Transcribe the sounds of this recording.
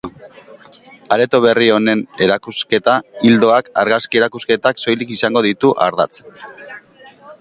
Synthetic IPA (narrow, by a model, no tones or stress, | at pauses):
aɾe̞t̪o̞β̞e̞rio̞ne̞ne̞ɾakuske̞t̪aild̪o̞akaɾɣaskie̞ɾakuske̞t̪akso̞jlikisaŋɡo̞ðit̪uʔa̰ɾða̰t͡s